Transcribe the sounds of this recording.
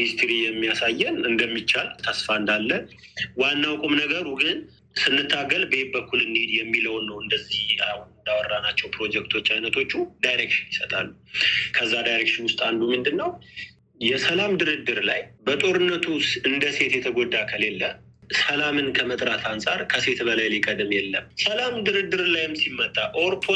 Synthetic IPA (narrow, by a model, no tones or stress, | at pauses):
hist̪ʰɾijɛmːijasajːɛnɨnd̪əmːit͡ʃːalt̪ʰəsfaɨnd̪alːə | wanːawkʼomnəɡəɾuɡɨn | sɨnːɨt̪ʰːaɡəlbəebəkːulɨned̪jɛmːiləwnːəwɨnd̪əzːihahunɨnd̪awɔrːanat͡ʃːɛwpɾo̞d͡ʒɛkt̪ʰo̞t͡ʃːajnət̪ʰo̞t͡ʃːud̪ajɾekʃɪnjɪsət̪ʼalːukʰəzːad̪ajɾekʃɪnwʊst̪ʼand̪umɨnd̪ɨnːəw | jɛsəlamd̪ɨɾɨd̪ːɨɾlajbət̪ʼo̞ɾɨnːət̪ʰusɨnd̪əse̞t̪jɛt̪ʰəɡo̞d̪ːakʰəle̞lːə | səlamɨnkʰəmət̪ʼɾat̪ʰansʼaɾkʰəse̞t̪bəlajlikʼəd̪ɨmjɛlːəmsəlamd̪ɨɾɨd̪ːɨɾlajɪmsimːət̪ʼːaʔoɾt̪ʰo